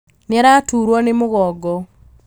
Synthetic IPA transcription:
neaɾatuːɾwɔnemoɣɔɡɔ

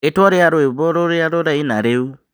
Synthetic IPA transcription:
etwɔɾeaɾoeβoɾoɾeaɾoɾaina̰ɾeu

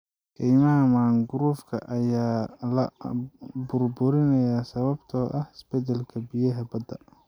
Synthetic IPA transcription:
kʰɛjmɐɦɐmaːŋɡʊɾuːfkʰɐ̰ʔɐjaːlɐ | bʊrbʊɾɪnɐjaːsɐβɐbt̪ʰɔːʔɐhɪsb̥ɛd̪ɛlkʰɐbijɐɦɐbɐd̪ɐ̰

